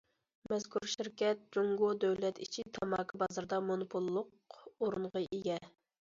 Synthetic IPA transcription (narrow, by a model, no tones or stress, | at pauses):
mɛz̥kʰuɾʃiɾkʲɛt̪̚d͡ʒuŋɡod̪øwlɛt̪it͡ʃʰit̪ʰɑmɑːkʰɑbɑzɑɾd̪ɑmonupʰulˠːʊq̚ | oɾunʁəʔeɡʲɛ